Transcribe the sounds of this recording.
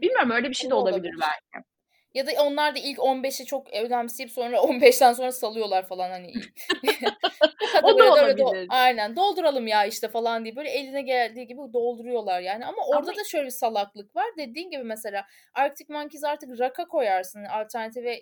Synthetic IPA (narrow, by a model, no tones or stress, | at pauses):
b̥ilʲmijo̞ɾumø̞jlʲɛbiʃejd̪ɛo̞lˠab̪ilʲiɾbæ̰ɪ̰ | jad̪ao̞nlˠaɾd̪ailʲco̞nbɛʃɛt͡ʃʰo̞kød̪æmsiiso̞nɾaonbɛʃt̪ænso̞nɾasalˠɯjo̞lˠaɾfalˠanhani | kat̪aølɛoajnænd̪o̞lˠd̪uɾalˠɯmjaiʃt̪ʰɛfalˠand̪ijɛbøjlʲɛelʲinɛɟeælʲd̪iːɟibid̪o̞lˠd̪uɾujo̞lˠaɾjaːniamaʔo̞ɾd̪ad̪aʃø̞jlʲɛbisalˠaklˠɯkvaɾd̪e̞d̪iːnɟibimɛselʲaː | aɾkt̪ʰikmancizaɾt̪ʰɯkɾakʰakʰo̞jaɾsɯnalʲt̪ʰæɾnat̪ʰivɛ